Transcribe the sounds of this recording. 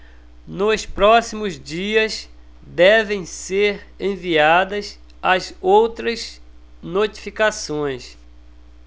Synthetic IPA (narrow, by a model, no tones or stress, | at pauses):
nʊspɾɔsimʊzd͡ʒiɐz | d̪ɛvẽj̃seɾẽviad̪ɐz | ɐzowt̪ɾɐznot͡ʃi̥fikasõj̃s